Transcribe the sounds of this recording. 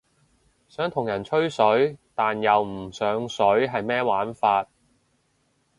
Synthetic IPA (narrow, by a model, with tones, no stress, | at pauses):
sœː˨˥ŋt̪ʰʊ˨˩ŋjɐ˨˩nt͡ʃʰɵ˥ɥsɵ˨˥ɥt̪aː˨njɐ˨wm̩˨˩sœː˨˧˥ŋsɵ˨˥ɥɦɐ˨jmɛː˥waː˨˥nfaː˧t̚